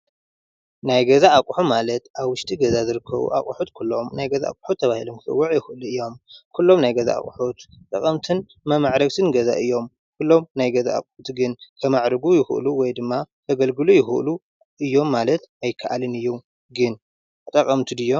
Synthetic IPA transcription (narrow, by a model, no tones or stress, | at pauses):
najɡɐzaːkʼuħumalɐt̪ʔaβwʊʃt̪ʼiɡɐzazɨɾɨkʰːɐ̰βṵʔa̰kʼuħut̪kʰulːo̞mnajɡɐza̰ʔa̰kʼħut̪ʰːɐβahilomkʰɨsʼɨ̰wːɐʕjɪxɨʔɨluɨjːo̞mkʰulːo̞mnajɡɐza̰a̰kʼuħut̪t̪ʼɐkʼɐmt̪ʰɨn | mɐmaʕɾɐɡt̪ʰɨnɡɐza̰ʔɨjːo̞m | kʰulːo̞mnajɡɐza̰ːkʼħut̪ɡɨnkʰɐmaʕɾɨɡujɪxɨʔluwɔjd̪ɨmːat̪ʰɐɡɐlɡɨlujɪxɨ̰ʔlu | ɨjːo̞mːalɐt̪ajkʰaʔalɨnɨjːu | ɡɨn | t̪ʼɐkʼɐmt̪ʰid̪ɨjːo